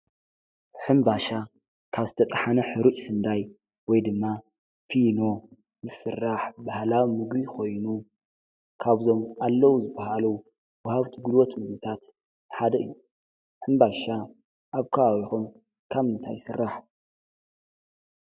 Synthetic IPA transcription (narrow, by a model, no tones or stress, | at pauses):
ħɨmbaʃa | kʰaβzɨt̪ʰɐt̪ʼħanɐħɨɾut͡ʃʼsɨnd̪aj | wɔjd̪ɨmːa | fino̞ | zɨsɨrːaħbahlawmɨɡɾikʰo̞jnu | kʰaβzo̞malːɐwuzɨbahalu | wɐhaβt̪ʰiɡɨlwot̪mɨɡβit̪ʰat̪ | ħad̪ɐɨ̰jːu | ħɨmbaʃa | ʔaβkʰɐβaβixum | kʰaβɨnt̪ʰajsɨrːaħ